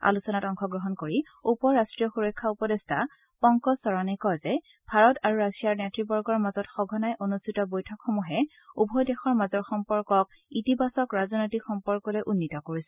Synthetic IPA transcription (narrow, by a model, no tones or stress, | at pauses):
a̰lusɔnatɔŋkɔɡɹɔɦɔnkoɹi | upɔɹastɹijɔxuɹɔkʰːaupɔdestʰa | pɔŋkɔsɔɹanikɔzɛ | bʱaɹɔtaɹuɹasijaɹnjatɹibɔɹɡɔɹmazɔtxɔɡʱɔnajʔonustʰitɔbojtʰɔkxɔmuɦɛ | ubʱɔjdɛxɔɹmazɔɹxɔmpɔɹkɔk̚ | itibasɔkɹazɔnojtikxɔmpɔɹkɔlɔʔunːitɔkoɹisɛ